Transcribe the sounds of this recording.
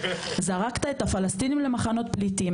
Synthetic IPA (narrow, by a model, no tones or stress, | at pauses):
zaʁakt̪ae̞t̪afalast̪inimle̞maχano̞t̪̚plit̪i